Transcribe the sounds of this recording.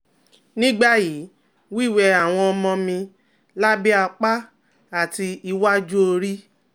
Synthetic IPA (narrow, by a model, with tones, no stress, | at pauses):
nĩ˦ɡ͡ba˦˨ji˨˦ | wi˦˨wɛ˧a˨w̃ɔ̃˧ɔ˧mɔ̃˧mĩ˧ | la˦bi˦a˧k͡pa˦ | a˦˨ti˧i˧wa˦d͡ʒu˦o˧ɾi˦